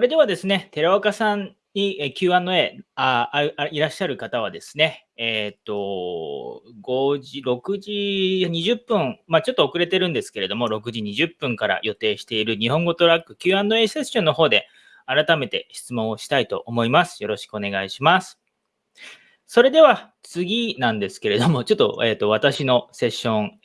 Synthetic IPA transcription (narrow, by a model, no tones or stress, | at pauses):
sɾe̞d̪e̞β̞ad̪e̞sɨne̞t̪e̞ɾaokasãn | ɲ̟iekʲɨːãnːo̞e̞ːaɯaiɾaɕːaɾɯ̟kat̪aβ̞ad̪e̞sɨ̥ne̞ | et̪ːo̞ | ɡo̞ʑiɾo̞kɯ̟ʑiɲ̟iʑɨpːɯ̟̃ŋmat͡ɕo̞t̪ːo̞ːkɯ̟ɾe̞t̪e̞ɾɯ̟̃nd̪e̞sɨ̥ke̞ɾe̞d̪o̞mo̞ɾo̞kɯ̟ʑiɲ̟iʑɨpːɯ̟̃ŋkaɾa̰jo̞t̪e̞ːɕi̥t̪e̞iɾɯ̟ɲ̟iɦõ̞ŋɡo̞t̪o̞ɾakːɯ̟̥kʲɨːãnd̪o̞eseɕːõ̞nːo̞ɦo̞ːd̪e̞ | aɾat̪ame̞t̪e̞ɕi̥t͡sɨmõ̞ɰ̃oɕi̥t̪ait̪o̞̰ʔːmo̞imasɨ̥jo̞ɾo̞ɕi̥kɯo̞ne̞ɡaiɕimasɨ̥ | so̞ɾe̞d̪e̞βa | t͡sɨɡʲinãnd̪e̞sɨ̥ke̞ɾe̞d̪o̞mo̞t͡ɕo̞t̪ːo̞̰eːt̪ːo̞β̞at̪aɕino̞se̞ɕːõ̞ɴ